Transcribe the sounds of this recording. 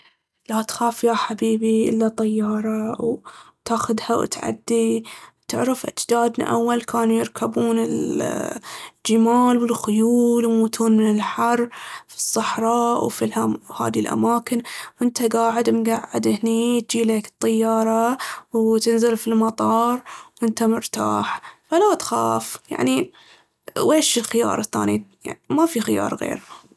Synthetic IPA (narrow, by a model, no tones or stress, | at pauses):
lat̪xaːfjaħabiːbiʔɪ̰lːat̪ˤɑjːɑːɾˤɑw | t̪aːxʊðhaw̰t̪ʕa̰d̪ːit̪ɪ̰ʕɾɪfʔat̪d̪aːd̪nḭʔa̰wːalkʰaːnujɪɾkʰabuːnɪl | ld͡ʒɪmaːlwɪlxʊjuːlmuːt̪ʰuːnmɪnɪlħɑrˤːfi̥sˤːɑħɾˤɑːʔwfilʔaha̰ːðilʔa̰maːkɪnwʔɪnt̪aɡaːʕɪd̪mɡaʕːɪd̪ʔɪhnit̪̚d͡ʒiːleːkɨ̥t̪ˤːɑjːɑːɾˤɑwt̪ɪnzɪlfilmɑt̪ˤɑːɾˤwʔɪnt̪amʊɾt̪a̰ːħfalat̪xa̰ːfja̰ʕni | weːʃɪlxɪjɑ̰ːɾˤɑθːa̰ːnija̰ʕnmafixɪjɑ̰ːɾˤɣḛːɾha